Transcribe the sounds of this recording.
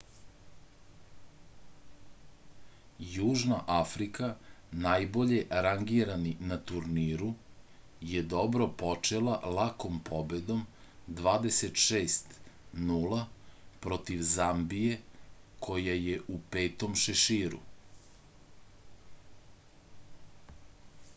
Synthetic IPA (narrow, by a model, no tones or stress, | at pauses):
juːʒnaʔafɾikanajbo̞ʎeɾaŋɡiɾaninat̪uɾniːɾu | jed̪o̞bɾo̞pot͡ʃelˠalako̞mpʰobed̪o̞md̪ʋaːd̪eset̪ʃeːst̪nuːlˠapɾo̞t̪iʋzambijekʰo̞jajeʔupe̞ːt̪o̞mʃeʃiːɾṵ